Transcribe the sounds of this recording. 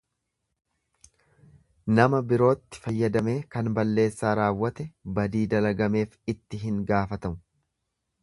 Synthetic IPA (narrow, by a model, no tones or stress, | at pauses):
nɐmɐbɪɾo̞ːt̪ːɪ̥fɐjːɐd̪ɐme̞ːkɐnbɐlːe̞ːsːaːɾaːwːɐt̪ɛbɐd̪iːd̪ɐlɐɡɐme̞ːfɪt̪ːɪɦɪŋɡaːfɐt̪ɐmʊ